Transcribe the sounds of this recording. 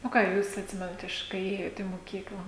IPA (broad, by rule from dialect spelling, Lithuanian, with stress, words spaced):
oː ˈkɑː ˈjuːs ɐtʲˈsʲɪmʲɛnɐt ˈɪʃ kɐɪ ˈeːjoːt iː moːˈkʲiːklˠɐ